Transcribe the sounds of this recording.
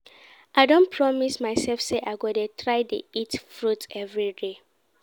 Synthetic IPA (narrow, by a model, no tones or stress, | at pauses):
ʔaɪdõnpʰɹɔmismaɪsɛlfseʔaɪɡonətʰɹaɪdḛitfɹutɛvɹide